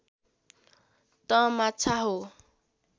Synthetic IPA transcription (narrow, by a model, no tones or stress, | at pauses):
t̪ʌmatt͡sʰaɦo